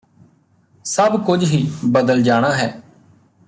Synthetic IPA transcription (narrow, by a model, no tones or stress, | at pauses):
səbkʊd͡ʒɦiːbəd̪əld͡ʒaːɽ̃aːɦɛː